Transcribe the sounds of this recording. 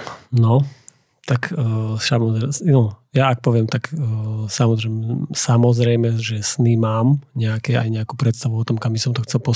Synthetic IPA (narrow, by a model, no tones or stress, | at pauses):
nɔ | t̪akːsamɔzɾɛnɔjaːk̚pɔʋɪɛmt̪akːsamɔzɾɛmɛsamɔzɾɛjmɛʒɛsnimaːmɲɛakɛajɲɛakuːpɾɛt̪st̪aʋuɔt̪ɔmkambisɔmt̪ɔxt͡sɛlpɔ